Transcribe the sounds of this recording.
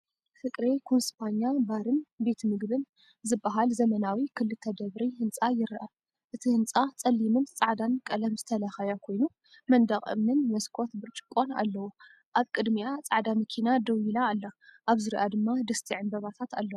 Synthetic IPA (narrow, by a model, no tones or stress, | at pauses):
fɨkʼɾekʰonspʰaɲabaɾɨnbe̞t̪ʰmɨɡbɨn | zɨbːaɦalzɐmɐnawikʰɨlːɨt̪ʰɐd̪ɐβɾihɨnt͡sʼajɪɾʔa | ʔɨt̪ʰihɨnt͡sʼat͡sʼɐlːimɨnt͡sʼaʕd̪ankʼɐlɐmzɨt̪ʰɐlɐxɐjakʰo̞jnu | mɐnd̪ɐχʼɨ̰mnɨnmɐskʰo̞t̪bɨɾt͡ʃʼɨ̥kʼːo̞na̰lːɐwu | ʔaβkʼɨd̪miat͡sʼaʕd̪amɐkʰinad̪ɐwilaːlːɐʔaβzɨɾiʔad̪ɨmːad̪ɐst̪ʰiʕɨnbɐβat̪ʰat̪a̰lːɐw